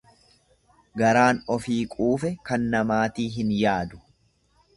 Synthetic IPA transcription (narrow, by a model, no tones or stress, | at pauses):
ɡɐɾaːnɔfiːkʼuːfɛkɐnːɐmaːt̪iːɦɪnjaːd̪ʊ̥